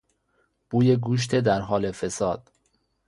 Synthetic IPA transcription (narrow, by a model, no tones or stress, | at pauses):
b̥uːjeɡuːʃ̬t̪ʰed̪æɾɦɒːle̞fesɒːd̪̥